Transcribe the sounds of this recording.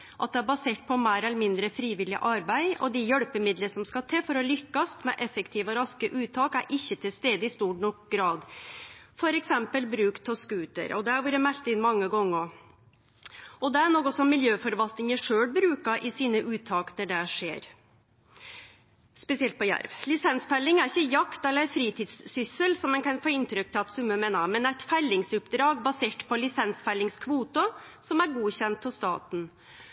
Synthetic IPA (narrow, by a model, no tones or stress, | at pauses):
ʔɑt̪̚d̪ɛæɾbɑseːʈ̚pʰɔmæːɾɛləmɪnd̪ɾəfɾiːʋɪlɪ̰ʔɑɾbæɪɔ̰d̪ɪjœɽpəmɪd̪ləsɔmskɑt̪ʰeːfɔɾɔlʏkːɑst̪mɛʔɛfːəkt̪ʰiːʋəɾɑskəʔʉːt̪ʰɑːkæɾʔɪçːət̪ʰɪlst̪eːd̪əɪst̪uːnɔkɡɾɑːd̪ | fɔɾɛksɛmpəlbɾʉːkt̪ʰɔskʉːt̪ə̰ɾɔd̪ɛɑɾʋuːɾəmælt̪əɪnmɑŋːəɡɔŋːɔ | ɔd̪ɛæɳoːkɔsɔmmːɪljøːfɔɾʋɑlt̪nɪŋəʂøːɽbɾʉːkɑʔɪsiːnəʔʉːt̪ʰːɑːknɔɖɛʂḛːɾ | spɛsɪɛlt̪̚pʰɔjæ̰ɾʋlɪsɛnsfælːɪŋæɾɪçːəjɑkt̪ɛlːəɾfɾiːt̪ʰiːd̪ssʏsəlsɔmːɛnkɑnfoːɪnt̪ɾʏk̚t̪ʰɪlɑt̪sʉmːəmeːnəmɛnd̪æɛt̪fælːɪŋsʉpd̪ɾɑːɡbɑseːʈpʰɔlɪsɛnsfælːɪŋskʰʋuːt̪ʊ | sɔmæɾɡuːɕɛnt̪ʰːɔst̪ɑ̰ːt̪n̩